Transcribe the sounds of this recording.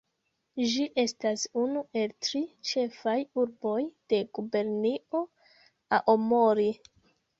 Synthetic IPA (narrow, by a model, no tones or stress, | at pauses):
d͡ʒiʔe̞stasunuʔe̞ltɾit͡ʃe̞fajuɾbo̞jd̥e̞ɡ̥ube̞ɾnio̞ | aʔomo̞ɾi